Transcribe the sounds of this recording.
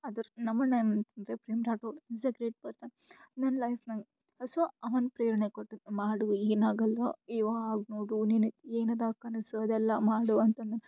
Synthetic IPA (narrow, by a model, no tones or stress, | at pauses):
ɐd̪ɐɾnɐmːɐnɐmɾepɾɐjmɾaːʈoːisɐɡɾeːʈ̚pɐɾsɐn | d̪ɐnlɐjfnɐŋɡ | ɐsoɐʋɐnpɾeːɾɐnekoʈːumaːɽueːnaːɡɐlːɐiʋaːaːɡnoːɽuninueːnɐd̪aːkːɐnisɐd̪ɛlːɐmaːɽuɐnt̪ɐnɐn